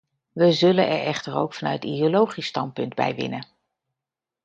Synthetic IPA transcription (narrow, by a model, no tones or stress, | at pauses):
ʋəzɵlənɛ̰ɹɛχtəɹo̰wkfɑnœ̰ɥtidiolowχistɑnt̚pɵndbɛ̰jʋɪ̰nə